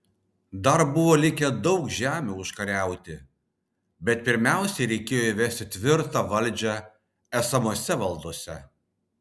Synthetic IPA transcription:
d̪ɐɾbʊʋoːlʲɪkʲɛd̪ɒʊkʒʲæːmʲuːʊʃkɐɾʲæˑʊt̪ʲɪ | bʲɛt̪̚pʲɪɾʲmʲæˑʊsʲɛɪɾʲɛɪkʲeːjoiʋʲɛsʲt̪ʲɪt̪ʲʋʲɪɾt̪ɑʋɐlʲˑd͡ʒʲɛ | æsɐmoɔsʲɛʋɐlˠd̪oːsʲɛ

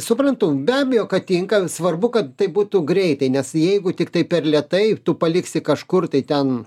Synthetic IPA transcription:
sʊpɾɐnt̪ʊbʲæːbʲejoːkɐt̪ʲɪŋkɐsʋɐrbʊkɐtt̪ɐɪbuːt̪uɡɾʲɛɪt̪ɐɪnʲɛsjɛɪɡʊt̪ʲɪkt̪ɐɪpʲɛrlʲɛt̪ɐɪt̪ʊpɐlʲɪksʲɪkɐʃkʊrt̪ɐɪt̪ʲɛn

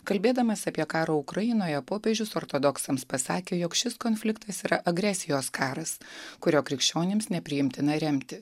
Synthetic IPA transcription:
kɐlʲbʲeːd̪ɐmɐsɐpʲiɛkɑːɾoːʊkɾɐjɪnoːjɛpoːpʲeʒʲʊsɔːɾt̪od̪ɔksɐmspɐsɑːkʲeːjɔkʃʲɪskɔːnʲfʲlʲɪkt̪ɐsiːɾɐʔɐɡɾʲɛsʲɪjoːskʰɑːɾɐskʊɾʲoːkɾʲɪkʃʲt͡ʃʲoːnʲɪmsnʲɛpʲɾʲɪjɪmʲt̪ʲɪnɐɾʲɛmʲt̪ʲɪ

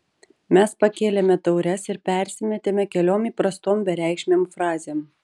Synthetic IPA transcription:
mʲɛspɐkʲeːlʲemʲɛt̪ɐʊɾʲɛsɪɾpʲɛˑɾʲsʲɪmʲɛt̪ʲeːmʲɛkʲɛlʲoːmiːpɾɐst̪oːmbʲɛɾʲæˑɪkʃʲmʲeːmfɾɑːzʲeːm

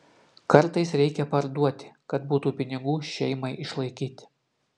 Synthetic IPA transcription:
kɐɾt̪ɐɪsɾʲɛɪkʲɛpɐɾd̪uɔt̪ʲɪ̥kɐt̪buːt̪uːpʲɪnʲɪɡuːʃʲɛɪmɐɪʔɪʃlˠɐɪkʲiːt̪ʲɪ̥

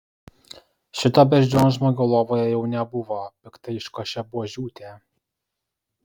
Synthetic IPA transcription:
ʃʲɪt̪oːbʲɛʒʲd͡ʒʲoːʒmoːɡʲolˠoːʋoːjɛjɛʊnʲɛbʊʋoːpʲɪkt̪ɐɪɪʃkoʃʲɛbʊoːʒʲuːt̪ʲeː

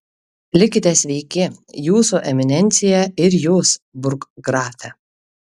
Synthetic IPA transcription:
lʲɪkʲɪt̪ʲɛsʲʋʲɛɪkʲɪjuːsuʔɛmʲɪnʲɛnʲt̪sʲɪjɛɪɾjuːsbʊɾkɡɾɑːfʲɛ

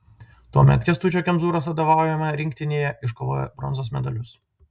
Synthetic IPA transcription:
t̪uɔmʲɛ̰t̪kʲɛst̪uːt͡ʃʲokʲɛmzuːɾoːsɐd̪oːʋɑˑʊjɛmɐɾʲɪŋʲk̚ʲt̪ʲɪnʲeːjɛʔɪʃkoːʋoːjɛ̰bɾɔ̰nzoːsmʲɛd̪ɐlʲʊs

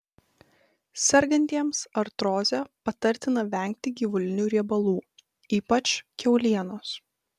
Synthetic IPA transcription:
sʲɛɾɡɐnʲt̪ʲiɛmsɐɾt̪ɾoːzʲɛpɐt̪ɐɾʲt̪ʲɪnɐʋʲæˑŋʲk̚ʲt̪ʲɪɡʲiːʋʊlʲɪnʲuːɾʲiɛbɐlˠuː | iːpɐt͡ʃkʲɛʊlʲiɛnoːs

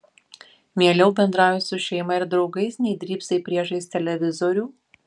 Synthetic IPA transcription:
mʲiɛlʲɛʊbʲɛnd̪ɾɑːjʲʊsʊʃʲɛjmɐɪɾd̪ɾɒʊɡɐɪsnʲɛɪd̪ʲɾʲiːpsʲɐɪpʲɾʲiɛʒɐɪsʲt̪ʲɛlʲɛʋʲɪzɔɾʲuː

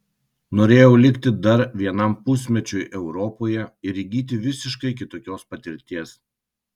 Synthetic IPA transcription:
noːɾʲeːjɛʊlʲɪkt̪ʲɪd̪ɐɾʋʲiɛnɐmpʊsʲmʲɛt͡ʃʲʊjʔɛʊɾɔpoːjɛɪɾʲiɡʲiːt̪̬ʲɪʋʲɪsʲɪʃkɐɪkʲɪt̪oːkʲoːspɐt̪ʲɪɾʲt̪ʲiɛs

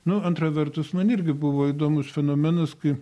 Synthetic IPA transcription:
nʊɐnt̪ɾɐʋʲɛɾt̪ʊsmɐnɪɾʲɡʲɪbʊʋoːid̪oːmʊsfʲɛnoːmʲɛnɐskɐɪ

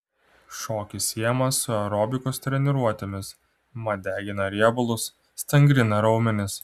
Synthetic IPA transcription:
ʃoːkʲɪsʲiɛjɛmɐsʊɛɾɔːbʲɪkost̪ʲɾʲɛnʲɪɾuɔt̪ʲemʲɪs | mɐd̪ʲæːɡʲɪnɐɾʲiɛbʊlˠʊsːʲ | t̪ʲɐŋʲɡɾʲɪnɐɾɒʊmʲɛnʲɪs

